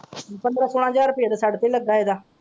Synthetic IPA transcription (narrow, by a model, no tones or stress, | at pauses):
pənd̪ɾaːsoːɽãːd͡ʒaːɾpiːd̪saːɖt̪ẽːləɡːaːeːd̪aː